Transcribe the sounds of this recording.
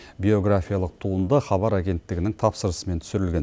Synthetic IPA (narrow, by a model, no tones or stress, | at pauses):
bʲeo̞ɡrafʲijalˠəq̚t̪ʰuənd̪əχɑβɑɾaɡʲe̞nt̪ːɪɡʲɪnɪŋt̪ʰɑpsəɾəsəme̞nt̪ʰʏ̥sɪɾɪlɡʲe̞n